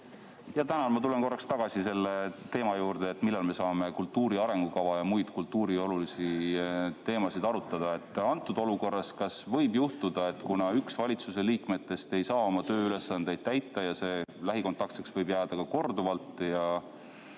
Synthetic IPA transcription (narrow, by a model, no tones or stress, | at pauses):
jɑt̪ænɑlmɑt̪ule̞nko̞rːɑkst̪ɑɡ̥ɑsise̞lːe̞t̪e̞ːmɑjuːɾd̪e̞ːt̪ˑmilːɑlme̞sɑːme̞kult̪ːˑuːɾiɑɾe̞ŋɡ̥ukɑvɑjɑmujd̪̥kult̪ːˑuːɾio̞lulisi | t̪e̞ːmɑsid̪ɑɾut̪ːˑɑd̪̥ɑe̞t̪ːˑɑnt̪ːˑud̪o̞luko̞rːɑskɑsvɤ̞jbjuht̪ud̪̥ɑe̞t̪ːkunɑyksvɑlʲit̪suse̞liːkme̞t̪ːˑe̞st̪e̞jsɑːo̞mɑt̪ø̞ːyle̞sːɑnd̪̥e̞jd̪̥̚t̪æjt̪ːˑɑjɑse̞læɦiko̞nt̪ːˑɑk̚t̪seksvɤjbjæːd̪̥ɑkɑko̞rd̪uvɑlt̪ːˑjɑ